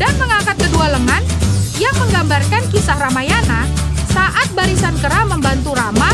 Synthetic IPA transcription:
d̥anməŋakat̪̚kədualəŋanjaŋməŋɡambarkankisahramajanasaʔat̪̚baɾisankəɾaməmbant̪uɾama

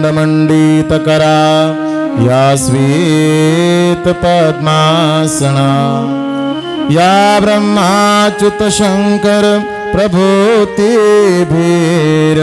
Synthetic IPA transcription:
ɖɐmɐɳɖit̪ɐkɐɾaː | jaːsʋiː | t̪ɐpɐd̪maːsɐɳa | jaːbɾɐmːaːt͡ʃut̪ɐʃɐŋkɐɾ | pɾɐbʱut̪ibʱiːɾɐ

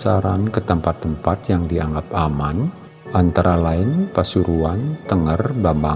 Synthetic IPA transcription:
saɾankət̪əmpat̪ːəmpat̪jaŋdiaŋɡapaman | ʔant̪aɾalaɪnpasuɾuant̪əŋərbamba

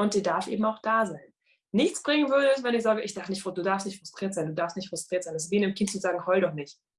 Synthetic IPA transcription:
ʊnt̚d̥iːdaɐfʔḛːm̩aʊxd̥aːzaɪnː | ɪçt͡sb̥ʁɪŋənvʏɐdəɛs̬vɛnɪçz̥aːɡəʔɪçd̥atnɪçtfd̥uːdaːɐfstnɪçtfʁ̥ʊstʁ̥iːɐtz̥aɪnduːdaːɐfstnɪçtfʁ̥ʊstʁ̥iːɐtz̥anas̬v̥iːnɪmkʰɪntt͡suzaːɡŋ̩hɔldɔχnɪçt

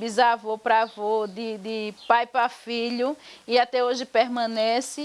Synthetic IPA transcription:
bizavopɾavod̪ɪd̪ɪpajpɾafiʎʊɪat̪ɛoʒɪpeɦmɐ̃nɛsɪ

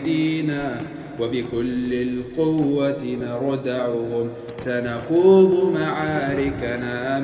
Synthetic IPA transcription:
d̪iːnaː | wabɪkʊlːɪlqʊwːat̪nɑɾˤd̪aʕʊhʊm | sanaxuːd̪ˤʊmaʕaːɾɪknaː

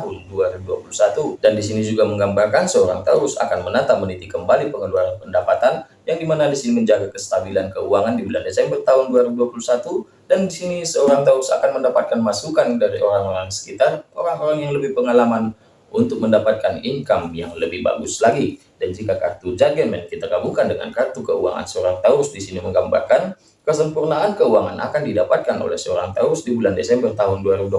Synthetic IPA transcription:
aɦʊnduaɾibuduapulusat̪udandisinid͡ʒuɡaməŋɡambarkansəoɾa̰ŋt̪aʊsa̰kanmənat̪amənit̪ikəmbalipəŋəluaɾanpəndapat̪an | jaŋdimanadisiniməɲd͡ʒaɡakəst̪abilankəuaŋandibula̰ndesɛmbərt̪aɦʊnduaɾibuduapulusat̪u | dandisinisəoɾaŋt̪aʊsa̰kanməndapat̪̚kanmasukandaɾiʔoɾaŋoɾaŋsə̥kit̪aroɾaŋoɾaŋjaŋləbɪhpəŋalaman | unt̪ʊk̚məndapat̪̚kaniŋkamjaŋləbɪhba̰ɡuslaɡi | dand͡ʒikaka̰rt̪ud͡ʒaɡəmɛnkit̪akamukandəŋa̰nkart̪ukəua̰ŋa̰nsəoɾaŋt̪aʊsdisiniməŋɡamba̰rkan | kəsəmpurnaːnkəuaŋanʔa̰kandidapat̪̚kano̰lɛhsəoɾaŋt̪aʊsdibulandesɛmbərt̪aɦʊnduaɾibud

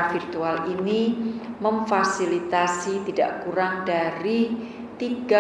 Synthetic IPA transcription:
nfirt̪ualiniməmfasilit̪asit̪ida̰ʔkuɾaŋdaɾi | t̪iɡa

